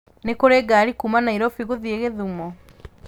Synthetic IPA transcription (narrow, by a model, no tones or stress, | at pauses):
nekoɾeɡaːɾikuːmanaiɾɔfiɣoðieɣeðumɔ